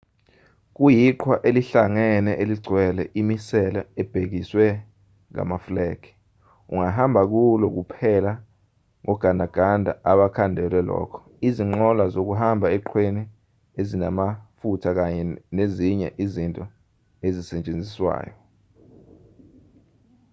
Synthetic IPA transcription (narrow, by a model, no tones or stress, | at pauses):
k̬ujiǃʰwaʔeliɬaŋɛnɛʔeliɡ͡ǀʱwɛlɛʔimisɛlaɛb̥ʱek̬iswɛ | ŋa̰maflɛːkʰi̥ | ṵŋaɦambʱak̬ulɔk̬upʰɛla | ŋɔɡ̥ʱandʱaɡ̥ʱandʱa̰ʔaɓakʰandʱɛlwɛlɔ̰kʰɔ̥ | iziŋ͡ǃɔlwazok̬uɦambʱaɛǃʰweni | ezinamafutʰak̬aɲɛneziɲɛ̰ʔizintʼɔ | ezisɛɲt͡ʃʼend͡zʱiswa̰ːjɔ